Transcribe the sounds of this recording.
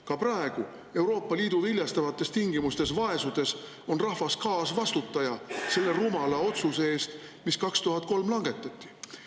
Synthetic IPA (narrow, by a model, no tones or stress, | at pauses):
kɑprɑe̞ɡ̥u | e̞wɾo̞ːpːˑɑliːd̪̥uvilʲjɑst̪ɑvɑt̪ːˑe̞st̪iŋɡimust̪e̞s̬vɑe̞sud̪̥e̞s | o̞nrɑhvɑskɑːsvɑst̪ut̪ːˑɑjɑse̞lːe̞rumɑlɑo̞t̪suse̞e̞ːst̪ | miskɑkst̪uɦɑt̪̚ˑko̞lmlɑŋɡ̥e̞t̪ːˑɑt̪ʲˑːi̥